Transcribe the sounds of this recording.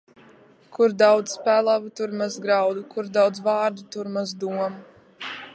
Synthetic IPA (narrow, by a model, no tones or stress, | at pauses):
kʰuɾd̪awd̪zspælˠavut̪uɾmazɡɾawd̪ukuɾd̪awd̪zvaːɾd̪ut̪uɾmazd̪uɔmu